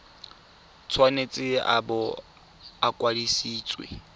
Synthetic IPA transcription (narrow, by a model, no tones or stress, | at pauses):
t͡sʰwanet͡sʼɪa̰bɔ | akʼwalisiːt͡sʼwḛ